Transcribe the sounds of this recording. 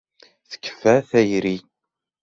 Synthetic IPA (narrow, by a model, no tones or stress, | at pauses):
θə̥kːə̥fæθæjɾi